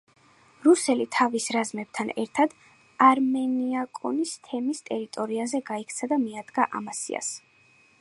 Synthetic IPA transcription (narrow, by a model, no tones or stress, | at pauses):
ɾusɛlit̪ʰavisɾazmɛb̚t̪ʰanɛɾt̪ʰad̪̥ | aɾmɛniakʼɔ̰nist̪ʰɛmist̪ʼɛɾit̪ʼɔɾiazɛɡaikʰt̪sʰad̪amiad̪ɡaʔa̰masḭa̰s